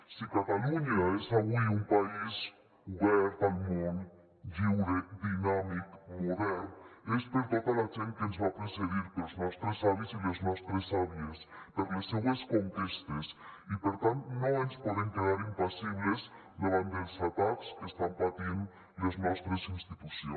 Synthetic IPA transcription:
sikat̪aluɲɐesaβujumpais | uβɛɾt̪almõn | βiwɾed̪inamikmuðɛɾespeɾt̪ɔt̪alaʒent̪̚kenzβapɾeseðiɾpelznɔst̪ɾesaβjesileznɔst̪ɾesaβjespɐɾlɐsːeβɐskoŋkist̪ɐsipeɾt̪ãnt̪unõenspɔðeŋkeðaɾimpasiβlez | nɐβand̪elsat̪akskest̪ampat̪in | d̪ɐznɔst̪ɾɐsinst̪it̪usjõ̰

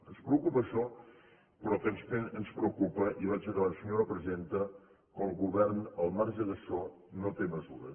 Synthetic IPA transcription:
ənspɾəukupəːʃɔ | pɾɔk̪ənspenənspɾəukupəʔiβat͡ʃəɣlasəɲoɾəpɾəzent̪ə | kɔ̃ŋˠɣuβɛɾnəlˠmaɾʒəðəsɔ | not̪eməzuɾə̰

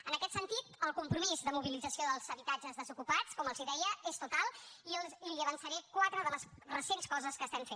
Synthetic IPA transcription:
ənəkɛt̪sənt̪it̪əlˠkumpɾumizðəmuβilid͡zəsioðəlˠzəβit̪ad͡ʒəzðəzukupat͡skɔməlˠziðɛjəest̪ut̪alˠiiliəβənsəɾɛkwat̪ɾəðələsrəsenskɔzəskəst̪ɛɱfen

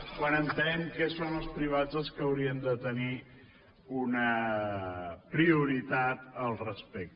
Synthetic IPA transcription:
kwanənt̪eŋkɛsonəlˠspɾiβ̞ad͡zəlˠskəəwɾiənd̪ət̪əni | unə | pɾiuɾit̪at̪əlˠrəspɛk̚t̪

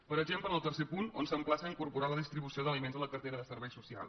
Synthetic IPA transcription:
pəɾəɡʒempləəlˠt̪ərsepunonsəmplasəiŋkuɾpuɾaləðist̪ɾiβusioðəlimenzələkərt̪eɾəðəsəɾβɛjsusia̰lˠ

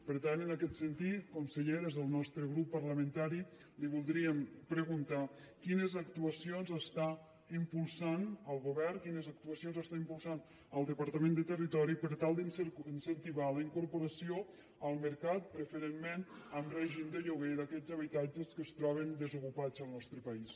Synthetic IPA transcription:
pəɾt̪anənəkɛt̪sənt̪it̪kunsəʎeɾəzðəlˠnɔst̪ɾəɣɾupːəɾləmənt̪aɾi | liβulˠd̪ɾiəmpɾəɣunt̪a | kinəzək̚t̪uəsionzəst̪a | impulˠsanəlˠɣoβɛrnkinəzək̚t̪uəsionzəst̪aimpulˠsan | əlˠd̪əpəɾt̪əmẽnd̪ət̪ərit̪ɔɾipəɾt̪alˠd̪iinsənt̪iβaləiŋkuɾpoɾəsio | əlˠməɾkat̪̚pɾəfəɾenmenəmrɛʒimd̪əʎuɣeɾəkɛzəβit̪ad͡ʒəskəst̪ɾɔβ̞ənd̪əzukupad͡zəlˠnɔst̪ɾəpəis

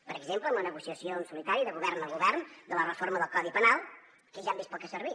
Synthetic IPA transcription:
pəɾəɡzempləːmlənəɣusiəsionsulit̪aɾiðəɣuβɛrnəlˠɣuβɛrnd̪ələrəforməðəlˠkɔðipənalˠ | kəʒambespɔkəsərβi

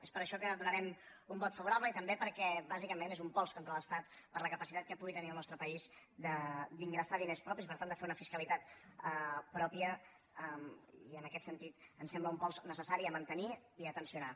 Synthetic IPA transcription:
espəɾəʃɔkəðunəɾɛm | umbɔt̪fəβuɾaβləit̪əmbepəɾkɛβazikəmenezumpɔlˠskoɔnt̪ɾələst̪at̪ | pəɾləkəpəsit̪at̪̚kəpuɣit̪əniəlˠnɔst̪ɾəpəiz | d̪əd̪iŋɡɾəsaðinespɾɔpisipəɾt̪and̪əfeunəfiskəlit̪at̪əpɾɔpiə | əmiənəkɛt̪sənt̪it̪ənsɛmbləumpɔlˠznəsəsaɾiəmənt̪əniiət̪ənsiuna

